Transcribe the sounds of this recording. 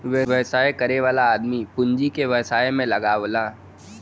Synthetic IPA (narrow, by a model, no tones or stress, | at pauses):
ʋeʋɐsaːekɐɾeʋaːlaːd̪mipʊ̃ɲd͡ʒikeʋɐsaːemẽlɐɡaːʋolaː